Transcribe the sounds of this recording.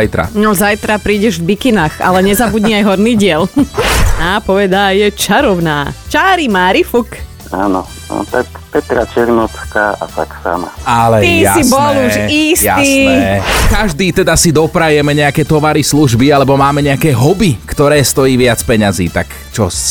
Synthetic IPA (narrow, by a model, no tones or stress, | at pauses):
ajt̪ɾa̰nɔzajt̪ɾapɾiːɟɛʒvbikinaːxa̰lɛɲɛzabuɟɲiajɦɔɾniːɟɪɛl | apɔʋɛd̪aːjɛt͡ʃaɾɔʋnaːt͡ʃaːɾimaːɾifuk | a̰ːnɔ̰ | t̪ak | pɛt̪ɾa̰t͡ʃɛɾnɔt̪kaʔa̰t̪a̰ksa̰ma̰alɛt̪isibɔluʃisjais | kaʒd̪iːt̪ɛd̪asid̪ɔpɾajɛmɛɲɛakɛːt̪ɔʋaɾisluʒbialɛbɔmaːmɛɲɛakɛːɦɔbikt̪ɔɾɛːst̪ɔjiːʋɪat͡spɛɲazḭːt̪ak | t͡ʃɔs